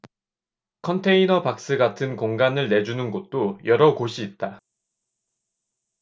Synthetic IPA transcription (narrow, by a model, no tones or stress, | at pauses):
kʰʌntʰe̞inʌpak̚s͈ɯɡatʰɯnkoŋɡanɯɭne̞d͡ʑunɯnɡot̚t͈ojʌɾʌɡoɕʰiːt̚t͈a